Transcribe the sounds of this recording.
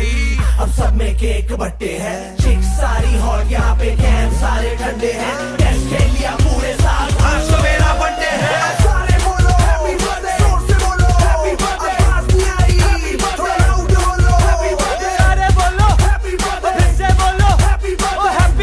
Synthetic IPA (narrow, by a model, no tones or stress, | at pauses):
ɐbsɐbmẽkeːkbɐʈːeɦɛ̃ː | t͡ʃɪksaːɾiɦɔːɾjɐɦãpekɛːnsaːɾekʰɐ̃ɳɖeɦɛ̃ː | ɛːskẽːlijapuːɾesaːt̪ʰmeːɾabɐeɦɛ̃saːɾeoːloɦɛi | eeoːloɦɛib̪ | eaiaːiiɐeoːlɦɛieaːɾeboːloi | ɪseboːloɦiɦɛp